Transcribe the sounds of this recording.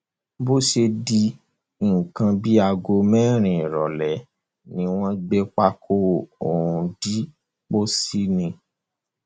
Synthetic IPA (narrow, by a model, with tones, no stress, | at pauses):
bo˦ʃe˧di˧˨ | kã˧bi˦a˧ɡo˧mɛ̃˦ɾ̃ĩ˨ɾɔ˨lɛ˨ | nĩ˨˦w̃ɔ̃˦ɡ͡bɛ˦k͡pa˦kʰo˦o˨ɾũ˧di˦ | k͡po˦si˦nĩ˧